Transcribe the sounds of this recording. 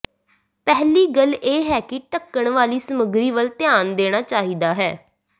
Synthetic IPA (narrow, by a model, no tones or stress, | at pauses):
pɛɦliːɡəleːɦɛːkɪʈəkːəɳʋaːliːsəməɡɾiːʋəlt̪ɪjaːnd̪eːɽ̃aːt͡ʃaːɦiːd̪aːɦɛː